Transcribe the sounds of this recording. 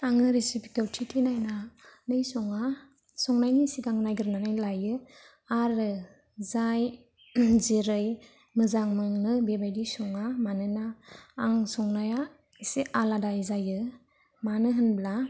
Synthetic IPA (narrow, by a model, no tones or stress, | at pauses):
aŋɯɾesipi̥kewtʰitʰinajnanɯjsɔŋa | sɔŋnajnisiɡaŋnajɡɯɾnanajlajɯ | aɾɯ | zaj | ziɾɯj | mɯzaŋmɯŋnɯbebajdisɔŋamanɯnaːŋsɔŋnaja | siʔaladajzajɯ | manɯɦɯnbla